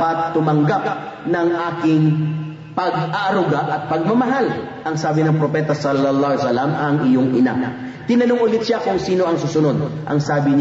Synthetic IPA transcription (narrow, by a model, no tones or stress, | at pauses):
pɐt̪ːʊmɐŋɡap̚ | nɐŋʔaːkɪŋ | pɐɡaʔɐɾʊɡaʔɐt̪̚pɐɡ̚mɐmɐɦal | ʔɐŋsaːbɪnɐŋpɾopɛːt̪ɐsɐlɐlːɑsɐlɐmɐŋʔɪjoŋʔɪna̰ | t̪ɪnɐnoŋʔʊlɪt̪ʃakʊŋsiːno̞ʔɐŋsʊsʊno̞d̪̚ʔɐ̰ŋsaːbɪn